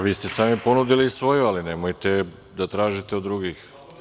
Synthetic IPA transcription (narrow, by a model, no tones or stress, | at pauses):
ʋiːst̪e̞saːmipo̞nud̪ilisʋo̞jualinemojt̪e | d̪at̪ɾaːʒit̪eod̪ːɾuɡix